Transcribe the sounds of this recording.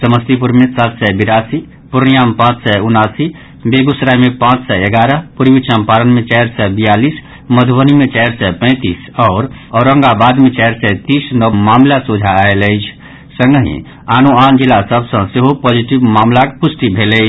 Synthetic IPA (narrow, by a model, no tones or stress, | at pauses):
səməst̪ipuɾmesat̪sɛjbiɾasi | puɾnijampãt͡ʃsɛjunasi | beɡusɾajmepãt͡ʃsɛeɡaɾəpuɾbit͡ʃəmpaɾənmet͡ʃajɾsɛbijalis | məd̪ʱbənimet͡ʃajɾsɛjpə̃ɪ̃t̪is | ɔːɾɔʊɾəŋɡabad̪met͡ʃajɾsɛjt̪isnəmamlasud͡ʒʱaːeləjt͡ʃʰ | sə̃ŋɡəɦḭ̃ | anuand͡ʒilːasəbsə̃seɦopɔd͡ʒiʈibmamlakpusʈibʱeləɪt͡ʃʰ